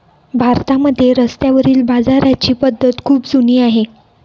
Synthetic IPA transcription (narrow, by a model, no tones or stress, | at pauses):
bʱaɾt̪aməd̪ʱːjeɾəst̪jaʋəɾiːlbad͡zaɾat͡ɕiːpəd̪ʱːət̪kʰuːpd͡zuniːaɦe